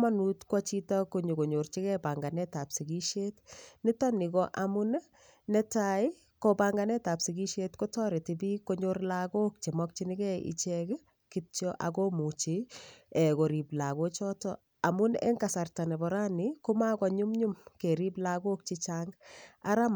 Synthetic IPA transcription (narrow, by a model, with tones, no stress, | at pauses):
ma˦nu˨tkwɔt͡ʃi˦ta˦koɲu˨ko˨ɲo˨rt͡ʃi˦kɛba˨ŋɡa˨nɛ˦ta˨psi˨ɡi˦ʃe˦tnɪ˦tɔ˦nɪ˨kɔʔamʊ˦n | nɛtai˦ | kobaŋɡanɛ˦ta˨psi˨ɡi˦ʃetko˦tɔɾɪ˨tibi˦ko˦ɲorlaɡo˦k̚t͡ʃe˨mɔk̚t͡ʃi˦nɪkɛḭ˨t͡ʃɛk | kitt͡ʃɔʔa˨komu˨t͡ʃi˨ɛ˨ko˨ɾi˨bla˨ɣo˦t͡ʃɔ˦tɔ | a˨mʊ˦nḛ˦ŋɡasa˨rta˨nɛ˨bɔɾa˦nɪkuma˦kɔ˨ɲu˦mɲu˦mke˨ɾi˦blaɡo˦k̚t͡ʃit͡ʃaŋɡa˦ɾa˦m